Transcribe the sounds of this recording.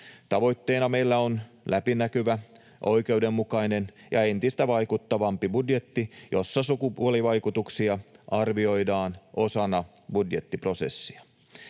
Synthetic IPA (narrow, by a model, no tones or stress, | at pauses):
t̪ɑʋo̞jt̪ːe̞ːnɑme̞jlːæon | lʔæpinækyʋæ | ʔojke̞udemːukɑinenjɑ̰e̞nt̪ist̪æʋɑjkut̪ːɑʋɑmpibudje̞t̪ːijosːɑsukupuoliʋɑjkut̪uksiɑʔɑrʋio̞jdɑːnʔosɑnɑ | budjet̪ːipro̞se̞̰sːiɑ